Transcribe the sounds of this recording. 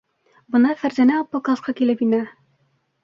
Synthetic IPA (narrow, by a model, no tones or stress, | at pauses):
bɤ̆nɑfæɾzænæɒpːɑkɑsqɑkilɘpinæ